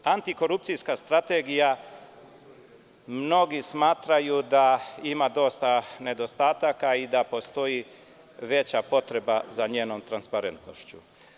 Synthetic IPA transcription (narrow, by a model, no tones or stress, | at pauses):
ant̪iko̞ɾupt̪sijskast̪ɾat̪eɡija | mno̞ɡismaːt̪ɾajud̪aimad̪o̞st̪ane̞d̪o̞st̪aːt̪akaid̪apo̞st̪o̞ji | ʋe̞t͡ɕapo̞t̪ɾe̞bazaɲeːno̞mt̪ɾanspaɾe̞nt̪no̰ʃt͡ɕṵ